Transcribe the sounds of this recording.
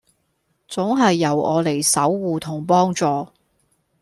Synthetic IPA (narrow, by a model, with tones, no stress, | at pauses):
t͡sʊ˨˥ŋɦɐ˨jːɐ˨˩wɔː˨˧le˨˩jsɐ˨˥wːuː˨t̪ʰʊ˨˩ŋpɔː˥ŋt͡sɔː˨˧